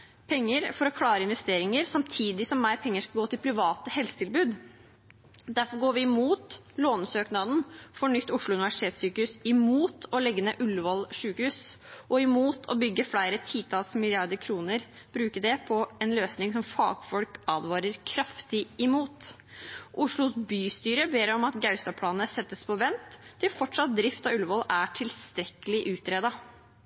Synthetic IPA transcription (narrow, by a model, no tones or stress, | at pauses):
pʰɛŋːəɾfɔɾɔkʰlɑːɾəɪnʋɛst̪eːɾɪŋəɾsɑmt̪ʰiːd̪ɪsɔmːæɪɾpʰɛŋːəʂkɑɡoːt̪ʰɪlpʰɾɪʋɑːt̪əhɛlsə̥t̪ʰɪlbʉːd̪ | d̪æɾfɔɾɡoːɾʋɪːmuːt̪ | loːnsøːknɑd̪n̩fɔɳʏt̪ːʊʂɭʊʉnɪʋæʂɪt̪ʰeːt̪syːkəʉsɪmuːt̪ʰɔlɛɡːənəʔʉlːʋɔlʂʉːkəhʉsʔɔɪmuːt̪ʰɔ̰bʏɡːəfɽæɪɾət̪ʰiːt̪ʰɑlsmɪlɪɑɾd̪əɾkʰɾuːnəɾ | b̥ɾʉːkəɖɛpʰɔɛnløːsnɪŋsɔmfɑ̰ːɡfɔlkɑːd̪ʋɑːɾəɾkʰɾɑft̪ɪɪmuːt̪ | ʔʊʂɭʊsbyːst̪yːɾəbeːɾɔmɑt̪ɡɑʉst̪ɑpʰlɑːnnəsɛt̪ːəspʰɔʋɛnt̪ʰːɪlfɔʈʂɑt̪̚d̪ɾɪft̪ɑʉlʋɔlæʈʰɪlst̪ɾɛkəlɪʔʉːt̪ɾeːd̪ɑ